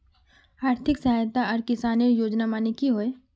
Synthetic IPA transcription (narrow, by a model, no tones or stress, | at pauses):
aːɾt̪ʰɪksɐɦaːjt̪aɔːɾkɪsaːnejoːd͡ʒnamaːnekiɦoːe